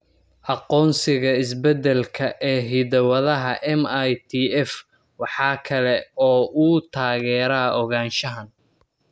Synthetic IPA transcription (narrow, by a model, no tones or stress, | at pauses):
ʔɑqɔːnsɪɣɐɪs̬bɛd̪ɛlkʰɐʔɛːɦiðɐwɐðɐɦɐʔɛmajt̪ʰiːɛf | wɑħɑːkʰɐlɛɔːʔuːt̪ʰaːɣɛːɾaːʔɔɣaːnʃɐɦɐn